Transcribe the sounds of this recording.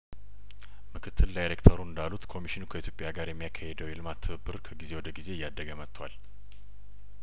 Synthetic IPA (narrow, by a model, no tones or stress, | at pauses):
mɨkʰɨt̪ʰːɨld̪ajɾekt̪ʰəɾuɨnd̪alut̪kʰo̞miʃinukʰəit̪jo̞pʼːjaɡaɾjɛmːijakʰːahɛd̪əwjelɨmat̪ʰːɨβɨbːɨɾkʰəɡize̞wɔd̪əɡize̞ɨjːad̪ːəɡəmət̪ʰːwa̰l